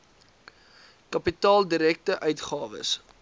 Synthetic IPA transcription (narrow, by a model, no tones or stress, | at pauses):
kɐpitɑːlˠdiɾɛk̚təʔœɥtχɑːvə̰s